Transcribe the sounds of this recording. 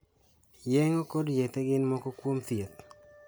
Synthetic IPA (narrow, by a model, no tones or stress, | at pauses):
jɛŋokɔdjet̪ɛɡɪnmɔkɔkwomt̪ɪet̪